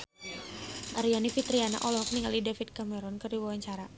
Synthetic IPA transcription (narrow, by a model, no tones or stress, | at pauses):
ʔaɾianifit̪ɾiana̰ʔɔlɔɦɔk̚niŋalidafid̪̚kamɛɾɔnkərdiwawaɲt͡ʃaɾa